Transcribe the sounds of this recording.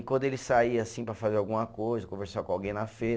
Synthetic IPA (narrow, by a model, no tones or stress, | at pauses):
kwɐ̃nd̪ʊelɪsaiasĩpɾɐfazeɾawɡũmɐkojzɐkõveɾsakõawɡẽj̃nɐfeɾ